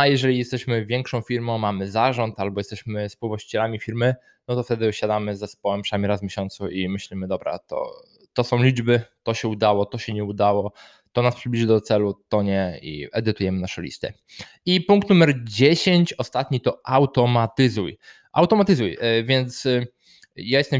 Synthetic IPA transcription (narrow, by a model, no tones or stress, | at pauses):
ajɛʐɛlʲijɛst̪ɛɕmɘvʲjɛŋkʂɔ̃w̃fʲiɾmɔ̃w̃mamɘzaʐɔnt̪albɔjɛst̪ɛɕmɘspuwvwaɕt͡ɕi̥t͡ɕɛlamʲifʲiɾmɘ | nɔt̪ɔft̪ɛd̪ɘɕad̪amɘzɛspɔwɛmpʂɛnamʲiɾazmʲjeɕɔnt̪suimɘɕlʲimɘd̪ɔbɾa̰t̪ɔ̰ | t̪ɔsɔ̃w̃lʲid͡ʐbɘt̪ɔɕɛud̪awɔt̪ɔɕɛɲɛud̪awɔ | t̪ɔnaspʂɘblʲiʐɘd̪ɔt̪sɛlut̪ɔɲɛḭɛd̪ɘt̪ujɛmɘnaʂɛlʲḭst̪ɘ̰ | ipuŋkt̪numɛɾd͡ʑeɕeɲt͡ɕɔst̪at̪ɲit̪ɔʔawt̪ɔmat̪ɘzuj | ʔa̰wt̪ɔmat̪ɘzujvʲjɛnt̪s | jajɛst̪ɛm